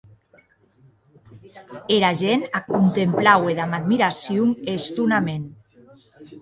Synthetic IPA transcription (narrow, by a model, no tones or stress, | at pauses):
eɾaʒenakunt̪emplaweðamad̪miɾasjumest̪unamen